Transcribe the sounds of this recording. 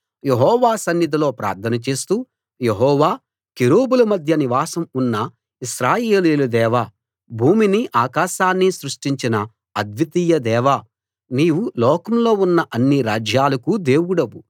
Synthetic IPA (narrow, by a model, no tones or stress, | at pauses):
jeɦɔːʋaːsɐnːid̪ʱɐlo̞ːpɾa̰ːɾt̪ʰɐnɐt͡ʃe̞ːst̪uː | jeɦɔːʋaː | kiɾoːbulɐmɐd̪ʱjɐniʋaːsɐmunːɐ | iʃɾaːjeːliːlud̪ɛːʋaː | bʱuːminiʔaːkaːʃaːnːisɾuʂʈiɲt͡ʃinɐ | ɐd̪ʋit̪iːjɐd̪ɛːʋa | niːʋulɔːkɐmlo̞ːunːɐʔɐnːiɾaːd͡ʒjaːlɐkud̪eːwuɽɐbu